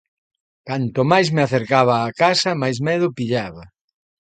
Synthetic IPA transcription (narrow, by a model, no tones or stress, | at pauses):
kant̪ʊmajsmɪaθeɾkaβaːkasɐmajs̬mɛðʊpiʎaβɐ